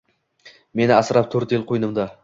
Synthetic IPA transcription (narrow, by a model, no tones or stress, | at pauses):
me̞nɪasɾap̚t̪ʰɵɾt̪jɪlˠqʰojnɪmd̪a